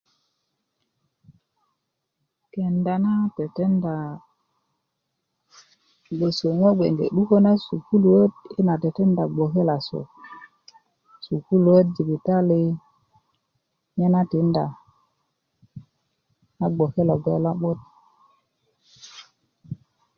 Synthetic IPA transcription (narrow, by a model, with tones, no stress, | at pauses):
ke˨nda˨na˦te˨te˦nda˨ | ɓe˨so˨ŋo˦ɓḛ˨ŋɡḛ˨ɗu˦ko˦na˦su˨ku˦lu˨wo˦ti˦na˨te˨te˦nda˨ɡ͡bo˨ke˦la˨so̰˨ | su˨ku˦lu˨we˦t̚d͡ʒi˨bi˨ta˦le˦ | ɲe˦na˦ti˨˦nda̰˨ | na˦ɡ͡bo˨ke˦la˨ɡe˨la˦ɓo˦t̚